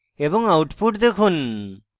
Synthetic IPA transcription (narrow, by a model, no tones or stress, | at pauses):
ebɔŋawʈpuʈ̚d̪ekʰun